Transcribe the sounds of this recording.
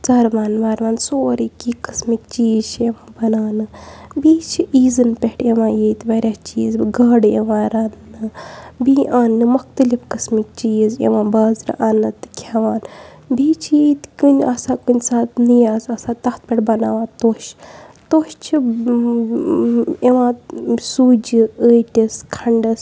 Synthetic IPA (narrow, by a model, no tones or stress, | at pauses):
t͡sɐɾʋaːnʋaːɾʋãːnsoːɾikiːkɨsmikt͡ʃiːzt͡ʃʰeʋãːbɐnaːnɨbiːt͡ʃʰiʔiːzɨnpʲeʈeʋãːjiːt̪ʋɐɾʲat͡ʃḭːzɡɐɽḛʋãːɾanːɨbiʔanːɨmuxt̪ɨlifkɨsmik̚t͡ʃiːzḛʋãːbɐzɾ̰ʔanɨt̪ɨkʲʰaʋaːn | biːt͡ʃʰjet̪kɨnʲasaːkunʲsaːt̪nɨjaːzɐsãt̪ɐht̪̚pʲeʈbɐna̰ːʋãːt̪oːʃt̪oːʃt͡ʃʰi | eʋãːsuːd͡ʒiəːjʈʲiskʰɐɳɖɐs